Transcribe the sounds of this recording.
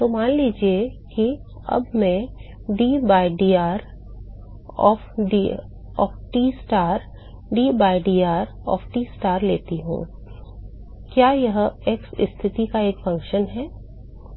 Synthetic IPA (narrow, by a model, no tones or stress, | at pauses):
t̪omaːnliːd͡ʒieki | ɐ̰bmɛ̃ | ɖiːbaːɪɖiːaːɾ | ɔ̰ːfɖi | ɔ̰ːfʈiːsʈaːɾ | ɖiːbaːɪɖiːaːɾ | ɔ̰ːfʈiːsʈaːɾleːt̪iɦṵ̃ː | kjaːjɐɦeksɪ̰st̪ʰɪt̪ikaeːkfɐ̃ŋkʃənɦɛː